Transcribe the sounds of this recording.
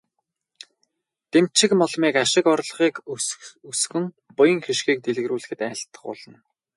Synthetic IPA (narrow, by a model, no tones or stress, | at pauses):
t̪emt͡ɕɪ̆kmɔɮmiːkaʃɪ̆kɔrɮ̆ʁiːkusɣɘ̆ŋ | pʊjə̆ŋxiʃxiːk̚t̪eɮ̆ɣ̆ɾuːɮɘ̆xɘ̆t̪æːɬt̪ə̆χʊ̰ɮə̆n